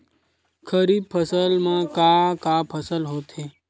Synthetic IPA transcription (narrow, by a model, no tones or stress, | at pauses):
kʰəɾiːb̚pʰəsəlmãkakapʰəsəlɦoːt̪ɦeː